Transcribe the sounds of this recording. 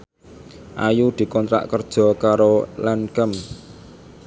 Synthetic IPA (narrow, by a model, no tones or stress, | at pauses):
ʔajud̪̥i̤kɔnt̪ɾa̰ʔkərd̥ʒ̥ɔ̤kaɾolankəm